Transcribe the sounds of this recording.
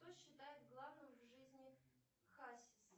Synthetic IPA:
t̪oɕːɪt̪ajɪt̪̚ɡlˠavnɨmvʐɨzʲnʲɪ | xasʲɪs

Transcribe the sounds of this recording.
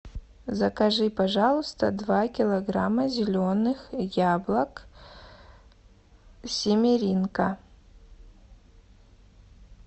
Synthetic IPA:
zɐkɐʐɨpɐʐalˠəst̪ɐd̪vakʲɪlˠɐɡramːɐzʲɪlʲonːɨxjablˠɐk | sʲɪmʲeɾʲinkɐ

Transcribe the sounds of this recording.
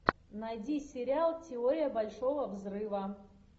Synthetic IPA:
nɐjdʲisʲɪɾʲɪalˠtʲɪoɾʲɪjəbɐlʲʂovəvzrɨvɐ

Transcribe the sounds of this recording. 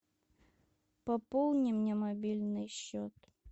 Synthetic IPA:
pɐpolˠnʲɪmnʲɛmɐbʲilʲnɨjɕːɔt̪

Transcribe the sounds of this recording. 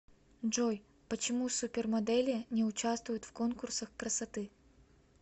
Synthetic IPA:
ʐoj | pət͡ɕɪmusupʲɪrmɐd̪ɛlʲɪnʲɪʊt͡ɕast̪vʊjʊt̪fko̞nkʊrsəxkɾəsɐt̪ɨ

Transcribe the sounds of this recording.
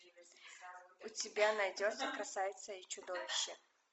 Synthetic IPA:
ʊtʲɪbʲanɐjdʲot̪səkɾɐsajɪt̪səit͡ɕʊd̪ovʲɪɕːɪ

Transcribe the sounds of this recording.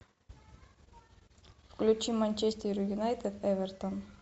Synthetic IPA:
fklʲut͡ʃimanʲt͡ʃesʲt̪ʲiɾʲujʲunajt̪et̪evʲɛrt̪on

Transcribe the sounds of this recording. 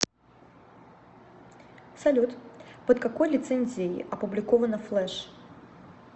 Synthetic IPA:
sɐlʲut̪pət̪̚kɐkojlʲɪt̪sɛnʲzʲejɪ̰ʔɐpʊblʲɪkovənəflˠɛʂ

